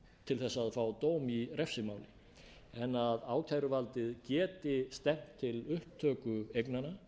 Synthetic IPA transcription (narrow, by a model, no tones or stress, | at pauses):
t̪ʰɪlθɛsːaːðfaːwt̪oːwmirɛfsɪmaːwlɪ | ɛnaðaːwc̪ʰajɾʏvalt̪ɪðcɛːt̪ɪst̪ɛm̥t̪ʰːɪlʏhpt̪ʰœːkʏejknana